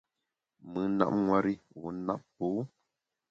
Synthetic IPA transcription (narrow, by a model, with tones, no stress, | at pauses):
mɨ˨˦na̰˦˨p̚ŋwa˦ɾi˦wu˨˦na˦˨ppo˨˦